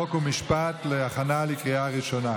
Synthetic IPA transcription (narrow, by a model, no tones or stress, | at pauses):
okumiʃpat̪leaχanalikʁiaʁiʃona